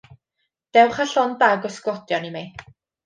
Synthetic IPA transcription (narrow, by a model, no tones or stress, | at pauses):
d̥ɛwχaɬɔndaɡɔsɡɔtjɔnimej